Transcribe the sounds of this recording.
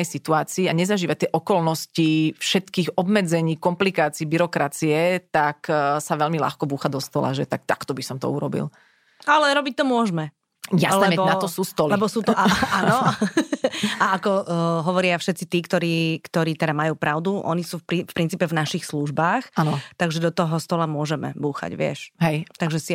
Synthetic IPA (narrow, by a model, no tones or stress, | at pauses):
ɛjsit̪uaːt͡siːaɲɛzaʒiːʋat̪jɛʔɔkɔlnɔscifʃɛt̪kiːɣɔbmɛd͡zɛɲiːkɔmplikaːt͡siːbiɾɔkɾat͡siɛt̪aksaʋɛʎmila̰xkɔbuːxad̪ɔst̪ɔla̰ʒɛt̪ak̚t̪a̰kt̪ɔbisɔmt̪ɔ̰uɾɔbḭl | alɛɾɔbic̚t̪ɔmʊɔʒmɛ | jalɛɛbɔnat̪ɔsuːst̪ɔllɛbɔsuːt̪ɔʔaaːnɔ | aakɔɦɔʋɔɾɪafʃɛt̪t͡sit̪iːkt̪ɔɾiːkt̪ɔɾiːt̪ɛd̪amajuːpɾʔaʊd̪uʔɔ̰nisuːfpɾifpɾint͡siːpɛvnaʃixsluʒbaːxanɔt̪aɡʒɛd̪ɔt̪ɔɦɔst̪ɔlamʊɔʒɛmɛ̰buːxa̰ɟʋɪɛ̰ʃɦɛjt̪aɡʒɛsi